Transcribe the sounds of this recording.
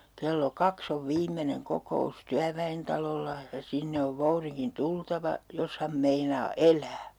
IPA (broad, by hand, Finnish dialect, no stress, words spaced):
kelːo kɑks oʋ ʋiːmːeneŋ kokous tyæʋæentɑlolːɑ jɑ sinːe oʋ ʋouriŋkin tultɑʋɑ jos hɑm meinɑː elˑæː